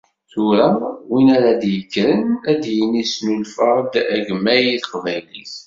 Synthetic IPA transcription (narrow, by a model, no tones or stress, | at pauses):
θʊɾawinæɾad̪jəkːɾənæd̪jənisnulfəɾd̪æʝmːæjiθqvæjlis